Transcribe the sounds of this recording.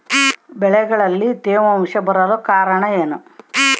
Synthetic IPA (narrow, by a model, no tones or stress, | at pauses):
bɛɭɛɡɐɭɐlːit̪eːʋɐmʂɐbɐɾɐlokaːɾɐɳɐeːnu